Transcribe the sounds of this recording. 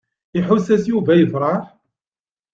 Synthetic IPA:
ɪħʊsæsjuvæjəðɾˤɑɾ

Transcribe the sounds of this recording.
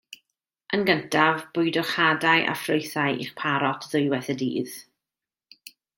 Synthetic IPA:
ʔənɡəntʰavb̥ʊɨdɔχadajʔa̰froɨθaɨʔḭχpʰaɾɔtʰðʊɨwɛθɛdḭːð

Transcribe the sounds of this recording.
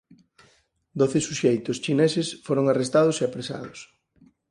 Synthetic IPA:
d̪oθɪsuʃejt̪ʊst͡ʃinesesfoɾoŋarest̪aðʊseapɾesa̰ðʊs

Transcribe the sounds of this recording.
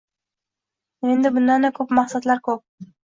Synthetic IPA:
e̞nd̪ɪbʊnd̪and̪akʰɵpmaχsat̪laɾkʰɵp̚

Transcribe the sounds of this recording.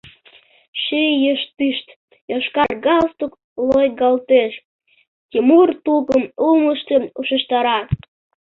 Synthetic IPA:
ʃejəʃt̪̚iʃt̪ | joʃkɑrɡɑlst̪uk | lojɡɑlt̪eʃ | tʲimurt̪uɣəmuməʃt̪euʃəʃt̪ɑɾɑ

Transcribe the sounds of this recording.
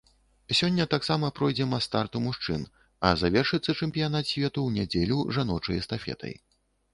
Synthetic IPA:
sʲɔnʲːɐt̪aksamɐpɾɔjd͡zʲɛmɐst̪art̪umuʂt͡ʂɨn | ɐ̰zavʲɛrʂɨt̪sːɐt͡ʂɛmʲpʲijanat̪sʲvʲɛt̪uwnʲad͡zʲelʲuʐanɔt͡ʂɐjɐst̪afʲɛ̰t̪ʰɐ̰j

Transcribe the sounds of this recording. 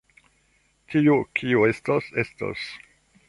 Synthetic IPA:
tiukʰiue̞stosesto̰s

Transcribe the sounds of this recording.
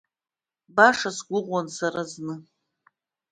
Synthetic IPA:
baʂasɡʷʊʁʷansaɾaznɨ

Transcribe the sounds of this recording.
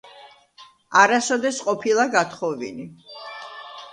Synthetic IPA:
aɾasɔd̪ɛsqʼɔpʰilˠaɡat̪ʰχɔvḭni

